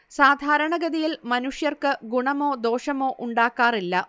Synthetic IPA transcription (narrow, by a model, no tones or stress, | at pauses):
saːd̪ʱaːɾɐɳɐɡɐðijilmɐnuʂjɐrkɨɡuɳɐmo̞ːd̪o̞ːʂɐmo̞ːʔuɳɖaːkːaːrilːɐ